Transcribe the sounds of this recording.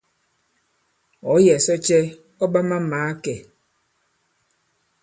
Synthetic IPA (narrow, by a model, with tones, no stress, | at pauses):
ɔ˨˦jɛ˨sɔ˦t͡ʃɛ˦ | ɔ˦ba˦ma˦maː˨˦kɛ˨